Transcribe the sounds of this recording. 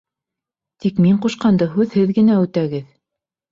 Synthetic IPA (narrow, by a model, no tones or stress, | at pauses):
t̪ikmiɴquʃqɑnd̪ɤɦʉðhɘðɡɘ̆næʉt̪æɡɘð